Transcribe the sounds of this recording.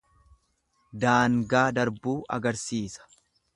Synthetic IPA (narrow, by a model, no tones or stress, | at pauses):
d̪aːŋɡaːd̪ɐɾbuːʔɐ̰ɡɐɾsiːsɐ̥